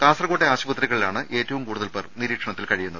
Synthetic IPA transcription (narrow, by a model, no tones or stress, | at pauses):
kaːsrɐɣoʈːeaːɕɐbɐt̪riɣɐɭilaːɳɨʔe̞ːtːɐʋumkuːɽuðɐlperniɾiːkʂɐɳɐt̪ːilkɐɻijunːɐðɨ